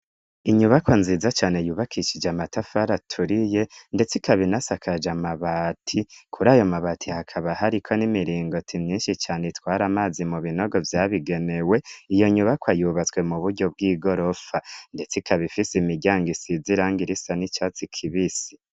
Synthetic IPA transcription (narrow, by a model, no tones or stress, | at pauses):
iɲuβakwanziːzat͡ʃaːnejuːβakʰiʃid͡ʒamatafaɾatʰuɾije̞nde̞t͡sikaβinasakʰad͡ʒamaβatʰikʰuɾaːjo̞maβatʰihakʰaβahaɾikʰo̞nimiɾiːŋɡo̞tʰimɲiːnʃit͡ʃaːneitwaːɾamaːzimuβino̞ɡo̞vjaːβiɡe̞ne̞we̞ijo̞ɲuβakwajuːβat͡swe̞muβuɾɟo̞bɡiːɡo̞ɾo̞fande̞t͡sikʰaβifisimiɟaːŋɡisiziɾaːŋɡiɾisanit͡ʃaːt͡sikʰiβisi̥